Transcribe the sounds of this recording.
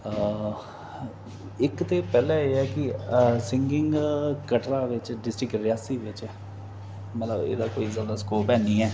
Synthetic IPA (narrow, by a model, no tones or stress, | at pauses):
ɪkt̪eːpɛːlɛ̃ːeːɛːkɪsɪ̃ŋɡɪŋɡkəʈɾaːʋɪt͡ʃɖɪsʈɾɪkɾɪjaːsiːʋɪt͡ʃɛː | mət̪lə̰bḛːd̪aːkoːiːzaːd̪aːskoːpɛːniːɛː